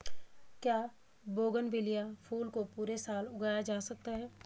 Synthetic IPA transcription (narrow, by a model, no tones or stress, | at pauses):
kjaː | boːɡənʋɪlijafʰuːlkopuːɾesaːlʊɡaːjad͡ʒaːsɐk̚t̪aɦɛː